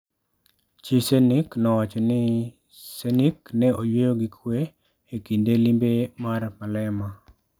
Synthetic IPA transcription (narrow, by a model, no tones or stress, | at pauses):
t͡ʃiseniknɔwat͡ʃɔnɪ | seniknɛojwejoɡikʰwe | ekindelimbemarmalɛma